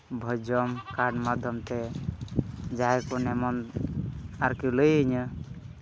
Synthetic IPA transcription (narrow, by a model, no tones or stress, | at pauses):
bʱɔjd͡ʒɔmkaɾɖmad̪ʱjɔmt̪ɛ | d͡ʒajkunɛmɔn | aɾkiləjəɲə